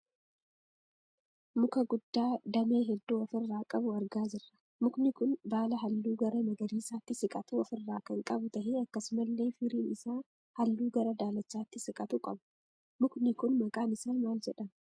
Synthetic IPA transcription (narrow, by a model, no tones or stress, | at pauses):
mʊkɐɡʊd̪ːaːd̪ɐmeːɦɛd̪ːuːɐfɪrːaːkʼɐbʊɐɾɡaːd͡ʒɪrːɐ̥ | mʊknɪkʊnbaːlɐɦɐlːuːɡɐɾɐmɐɡɐɾiːsaːt̪ːɪsɪkʼɐt̪uːɐfɪrːaːkɐŋkʼɐbʊt̪ɐɦɪɐkːɐsʊmɐlːe̞ːfɪɾiːnɪsaː | hɐlːuːɡɐɾɐd̪aːlɐt͡ʃːaːt̪ːɪsɪkʼɐt̪uːkʼɐbʊ̥ | mʊknɪkʊnmɐkʼaːnɪsaːnmaːld͡ʒɛᶑɐn